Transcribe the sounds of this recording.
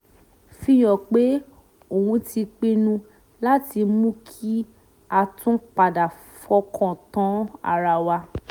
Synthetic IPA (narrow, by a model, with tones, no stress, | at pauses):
fĩ˧j̃ɔ̃˨k͡pe˨˦ | o˨ũ˧ti˧k͡pi˧nũ˧ | la˦ti˧mũ˦kʰi˦ | a˧tũ˦k͡pa˨da˨ | fɔ˧kʰɔ̃˨tã˨˦a̰˧ɾa˨wa˧